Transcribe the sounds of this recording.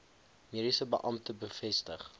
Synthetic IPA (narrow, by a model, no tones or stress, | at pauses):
meːdisəbə̰ʔɐmtəbəfɛstəχ